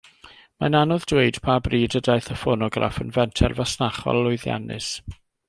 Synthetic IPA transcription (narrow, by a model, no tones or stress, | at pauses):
mananɔðdweɨd̥pʰabriːdədajθəfɔnɔɡra̰fənvɛntʰɛ̰rvasnaχɔ̰lːʊjðja̰nɨ̰s